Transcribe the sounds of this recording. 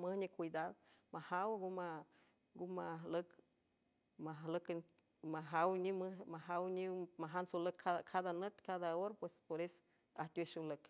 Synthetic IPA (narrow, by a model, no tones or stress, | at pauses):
məhɲẽkʷid̪ad̪mahawɡuma | ɡumalək | malək | maɦawɲĩmɨmãɦawɲĩmaɦansoləkʰakʰad̪anət̪kad̪aoɾapwespoɾes | at̪ʲweʃulək